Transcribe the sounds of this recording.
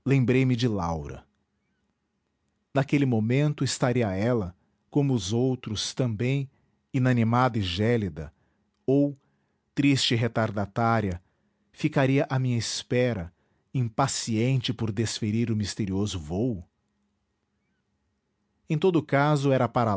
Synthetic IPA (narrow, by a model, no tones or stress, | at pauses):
lẽmbɾejmɪd͡ʒɪlawɾɐ̰ | nakelɪmomẽnt̪ʊɪst̪aɾiɐɛlɐ | kõmʊːzowt̪ɾʊst̪ɐ̃mbẽj̃ | inɐnimad̪ɐɪʒɛlid̪ɐ̰ | ow | t̪ɾist͡ʃɪɦet̪aɾd̪at̪aɾiɐ | fikaɾiɐʔamĩɲɐɪspɛɾɐ | ĩpasiẽnt͡ʃɪpʊɾd̪esfeɾiɾʊmist̪eɾiozʊvowʊ | ẽt̪od̪ʊkazʊɛɾɐpaɾa